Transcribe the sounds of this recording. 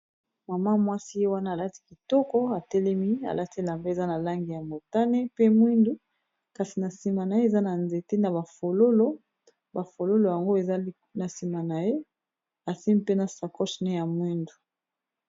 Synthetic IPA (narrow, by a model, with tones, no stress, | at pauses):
ma˨ma˦mwa˦si˦je˦wa˦naː˦˨la˦ti̥˦ki˨tɔ˦kɔ˦a˨tɛ˦lɛ˦mi˦a̰˨la˦ti˦e˦la˨mbe˦e˨za˦na˨la˦ŋɡi˨ja˨mo˨ta˦ne˦pe˦mwi˦ndu˦ | ka˨si˨na˨si˨ma˨na˨e˦e˨za˦na˨nze˨te˦na˨ba˨fo˨lo˦lo˦ | ba˨fo˨lo˦lo˨ja˨ŋɡo˦e˨za˦ | na˨si˨ma˨na˨je˦ | a˨si˦mi˦pe˦na˨sa˨kɔ˦ʃne˦ja˨mwi˦ndu˨